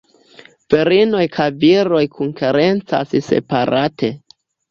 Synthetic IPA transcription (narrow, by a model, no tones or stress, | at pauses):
v̥iɾino̞jkʰajviɾo̞jkʰuŋkeɾe̞nt͡sa̰sse̞̰paɾatʰe̞